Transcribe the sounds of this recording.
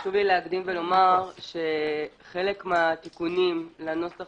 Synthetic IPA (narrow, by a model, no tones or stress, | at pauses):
ʃuvlileakdimvelo̞maʁʃe̞ | χe̞lekmeat̪ikunimlano̞sa